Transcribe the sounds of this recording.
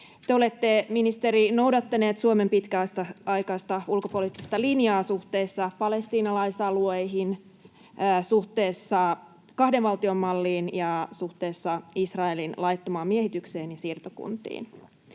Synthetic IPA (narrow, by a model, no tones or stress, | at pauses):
t̪eo̞le̞t̪ːe̞minist̪eɾinowdɑt̪ːɑne̞ːt̪suome̞mpit̪kæːst̪ɑɑjkɑst̪ɑulkopo̞liːˑt̪ːist̪ɑlinjɑːsuht̪eːsːɑpɑle̞st̪iːnɑlɑjsɑluejɦinː | suht̪eːsːɑ | kɑhdeʋʋɑlt̪io̞mːɑlːiːnjɑsuht̪e̞ːsːɑisrɑe̞linlɑjt̪ːomɑːmiehit̪ykseːnjɑsiːrt̪okṵnt̪ḭːn